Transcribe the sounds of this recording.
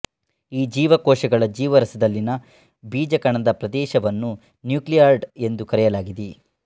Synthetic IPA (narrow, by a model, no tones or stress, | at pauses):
iːd͡ʒiːʋɐkɔːʃɐɡɐɭɐd͡ʒiːʋɐɾɐsɐd̪ɐlːinɐ | biːd͡ʒɐkɐɳɐd̪ɐpɾɐd̪ɛːʃɐʋɐnːu | njuːklijaːɾɖe̞nd̪ukɐɾɛjɐlaːɡid̪i